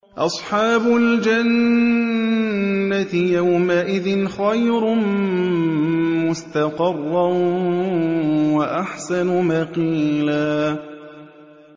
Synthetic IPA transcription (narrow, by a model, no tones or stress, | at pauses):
ʔɑsˤħɑːbʊld͡ʒan | at̪ɪjawmaʔɪðɪnxajɾʊn | mʊst̪aqɪrˤːɑ | waʔaħsanʊmɑqiːlaː